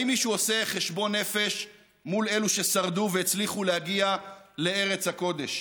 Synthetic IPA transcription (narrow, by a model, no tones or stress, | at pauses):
imːiʃuose̞χe̞ʃbo̞nːe̞fe̞ʃ | mule̞luʃesaʁd̪uveet͡sliχulehaɡiale̞e̞ʁe̞t͡shako̞d̪e̞̰ʃ